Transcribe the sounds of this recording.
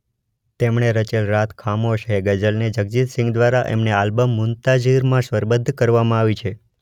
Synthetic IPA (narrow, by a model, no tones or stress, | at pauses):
t̪emɳ̃eɾət͡ʃelɾat̪ʰkʰamoʃɦeɡəd͡ʒəlned͡ʒəɡ̚d͡ʒit̪sɪ̃ŋɡd̪ʋaɾaʔḛmnealbəmːʊnt̪ad͡ʒiɾmãʃʋəɾbəd̪ʱkəɾʋamãaʋit͡ʃʰe